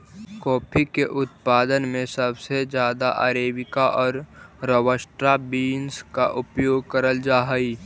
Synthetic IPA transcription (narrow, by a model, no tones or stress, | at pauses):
kɔːpʰikeʔʊt̪paːd̪ənmẽsəbsed͡ʒjaːd̪aʔa̰ːɾeːbɪkaʔɔːɾɾəwəsʈɾabiːnska̰ʔʊpjoːɡ̚kəɾəld͡ʒaːɦəi